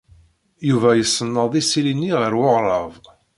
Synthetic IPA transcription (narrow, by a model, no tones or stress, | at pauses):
juvæjəsːənːəðˤisilinːiʁəɾwoʁɾˤəv